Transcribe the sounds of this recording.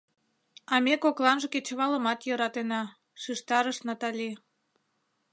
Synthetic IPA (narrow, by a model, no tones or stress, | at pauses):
ɑmʲekoklɑnʒəket͡ɕə̆βɑləmɑt̪jɤɾɑt̪enɑ | ʃiʃt̪ɑɾəʃnɑt̪ɑlʲi